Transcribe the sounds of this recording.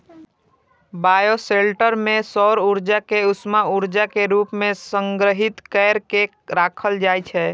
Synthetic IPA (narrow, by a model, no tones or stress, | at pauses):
bajoselʈəɾmẽsɔɾuɾd͡ʒakeʊsmauɾd͡ʒakeɾuːpmẽsəŋɡɾəɦit̪kɛɾke | ɾakʰəld͡ʒajt͡ʃʰɛ